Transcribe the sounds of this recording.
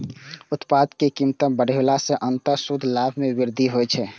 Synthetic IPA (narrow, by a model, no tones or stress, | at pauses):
ut̪pad̪kekimt̪əmbəɽelasẽʔənt̪əɾsud̪ʱlabʱmebɪɾd̪ʱiɦojt͡ʃʰɛ